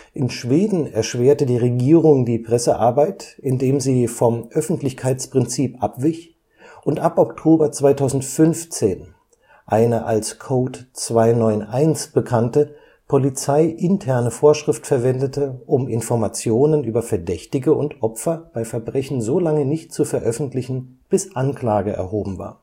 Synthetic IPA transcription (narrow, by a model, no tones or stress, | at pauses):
ʔɪnʃv̥eːdn̩ɛɐʃv̥eːɐtədiːʁeɡiːʁ̞ʊŋdiːpʁ̥ɛsəʔaɐbaɪtʔɪndeːmziːfɔmʔœfn̩tlɪçkʰaɪt͡spʁ̥ɪnt͡siːpʔapv̥ɪç | ʔʊntʔapʔɔktʰoːbɐt͡sv̥aɪtʰaʊzn̩tfʏnft͡seːn | ʔaɪnəʔa̰lskʰoːtt͡sv̥aɪnɔʏnʔaɪnsb̥əkʰantə | pʰolit͡saɪʔɪntʰɛɐnəfoːɐʃʁ̥ɪftfɛɐvɛndətʰəʔʊmɪnfɔɐmat͡sjoːnənʔyːbɐfɛɐdɛçtɪɡəʔʊntʔɔpfɐb̥aɪfɛɐbʁɛçn̩zoːlaŋənɪçt̚t͡sufɛɐʔœfn̩tlɪçn̩ | b̥ɪsʔankl̥aːɡəʔɛ̰ɐɦoːbm̩va̰ːɐ